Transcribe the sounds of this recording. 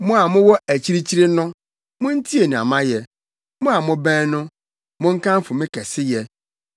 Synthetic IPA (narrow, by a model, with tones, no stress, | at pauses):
mʊ̃˦a˨mʊ̃˦wɔ˦æ˨t͡ɕʰi˦ɾi˦t͡ɕʰi˦ɾɪ˦nʊ̃˦ | mʊ̃˦n̩˦tʰi˦e˨nĩ˨a̰˨mã˦jɛ˨ | mʊ̃˦a˨mʊ̃˦bɛ̃ː˦nʊ̃˦ | mʊ̃˦ŋ̩˦kã˦m̩˦fʊ˨mɪ̃˦kʰɛ˨sɪ˦jɛ˦